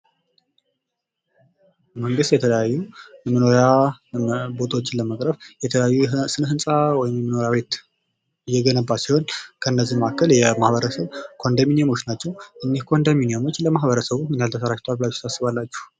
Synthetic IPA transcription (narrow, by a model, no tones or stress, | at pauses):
məŋɡɨst̪jɛt̪ʰələjajːujɛmɨnoɾja | bo̞t̪ʰwot͡ʃːɪləməkʼɾəfjɛt̪ʰəəjajːusɨnɦɨnsʼawɔjɪmjɛmɨno̞ɾjaβe̞t̪ | ɨjːɛɡənəbːasiho̞nkʰəɨnːəzːimakʰːəljɛmahβəɾəsəβkʰo̞nd̪aminijamo̞t͡ʃːnat͡ʃːɛwʔɨnːihkʰo̞nd̪aminijamo̞t͡ʃːləmaɦβəɾəsəβumɨnjalt̪ʰəsəɾat͡ʃt̪ʰalblat͡ʃːsasːɨβalːat͡ʃːu̥h